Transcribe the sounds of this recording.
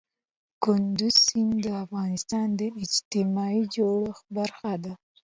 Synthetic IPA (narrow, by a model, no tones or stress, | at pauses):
kʊnd̪uzsind̪əafɣɑnɪst̪ɑnd̪əɪd͡ʒt̪ɪmɑid͡ʒoɽəxbaɾxad̪a